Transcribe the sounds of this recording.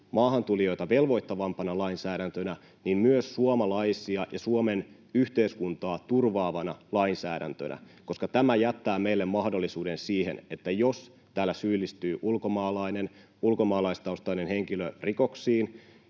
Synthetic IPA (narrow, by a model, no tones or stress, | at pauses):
mɑːɦɑnt̪ulijo̞jt̪ɑʋe̞lʋo̞jt̪ːɑʋɑmpɑnɑlɑinsæːɾænt̪ønæ | nimmyøsːuomɑlɑjsiɑjɑsuomen | yht̪e̞iskunt̪ɑːt̪urʋɑːʋɑnɑlɑinsæːɾæ̰nt̪ø̰nʔæ̰ | ko̞skɑt̪æmæjæt̪ːæːme̞ilːemmɑhdo̞lːisuːdensiːhḛnet̪ːæjos | t̪æːlːæsyːlːist̪yːʔulkomɑːlɑinen | ulko̞mɑːlɑist̪ɑust̪ɑinenhe̞ŋkiløriko̞ksiːn